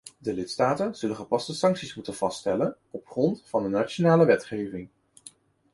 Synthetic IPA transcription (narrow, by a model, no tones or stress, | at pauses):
dəlɪtstaːtənz̥ɵlənχəpɑstəsɑŋksismutənv̥ɑstɛlən | ɔpχrɔntfɑndənaːt͡ʃonaːləʋɛtχejvɪŋ